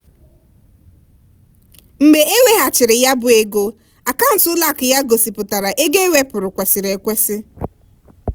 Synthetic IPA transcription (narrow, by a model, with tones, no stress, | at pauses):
ŋ͡m̩˨ɡ͡be˨e˦wʷe˦ɦa˨t͡ʃɪ˨ɾɪ˨ja˦bʊ˨e˨ɡo˦ | a˨ka˦n̩˨sʊ˦la˦˨kɪ˨ja˦ɡo˨si˨pʊ˨ta˨ɾa˨ʔe˦ɡe˦wʷe˦pʊ˨ɾʊ˨kʷe˨sɪ˨ɾe˨kʷe˦sɪ˦